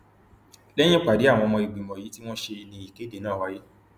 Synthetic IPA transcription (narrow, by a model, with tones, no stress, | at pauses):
lɛ˦j̃ĩ˦k͡pa˨de˨˦a˦˨w̃ɔ̃˧mɔ̃˧i˨ɡ͡bi˨mɔ̃˨ji˨˦ti˦w̃ɔ̃˦ʃe˧nĩ˧˦i˨ke˨˦de˨nãː˦˨wa˦je˦